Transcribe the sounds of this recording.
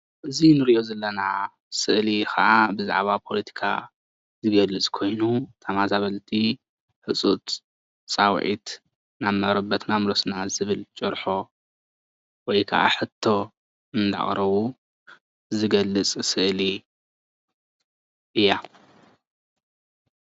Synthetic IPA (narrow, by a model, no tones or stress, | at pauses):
ʔɨzinɨɾiʔo̞zɐlːɐna | sɨʔlikɐ̰ʔabɨza̰ʕβapʰo̞lɐt̪ʰi̥kʰa̰ | zɨɡɐlɨt͡sʼkʰo̞jnut̪ʰamazaβɐlt̪ʰi | ħɨt͡sʼut̪ | t͡sʼawʕḭt̪ | namɐɾɐbɐt̪namlosnazɨβɨlt͡ʃʼɨɾħo̞ | wɔjkʰɐ̰ʔa̰ħɨt̪ʰːo̞ | ɨnd̪a̰χʼɾɐβu | zɨɡɐlːɨt͡sʼsɨʔli | ʔɨja